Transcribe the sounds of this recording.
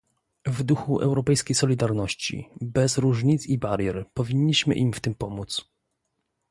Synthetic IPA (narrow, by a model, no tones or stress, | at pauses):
vd̪uxuʔɛ̰wɾɔpɛjskʲejsɔlʲid̪aɾnɔɕt͡ɕḭbɛzɾuʐɲit̪sibaɾjɛɾpɔvʲiɲːiɕmɘ̰ʔimft̪ɘmpɔmut̪s